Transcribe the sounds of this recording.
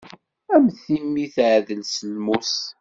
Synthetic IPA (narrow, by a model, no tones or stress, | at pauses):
æmθimːiθʕðəlsəlmus